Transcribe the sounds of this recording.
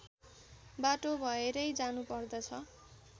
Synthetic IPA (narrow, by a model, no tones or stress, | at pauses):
baʈobʱʌeɾʌjd͡zanupʌrd̪ʌt͡sʰʌ